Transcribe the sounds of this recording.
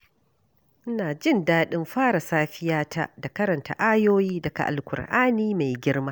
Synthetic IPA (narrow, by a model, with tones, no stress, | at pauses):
ʔɪ˦naː˨d͡ʒɪ˦˨ndaː˦ɗɪ˦mɸaː˦ɽa˨saː˦ɸɪ˦jaː˦ta̰˦da˨kɐ˦ɾɐ˨nta̰˦ʔaː˦joː˦jiː˦dɐ˨ɡa̰˨ʔa̰˨lkʷʊ̰˨rʔaː˦niː˦ma˨jɡʲɪ˦rmaː˦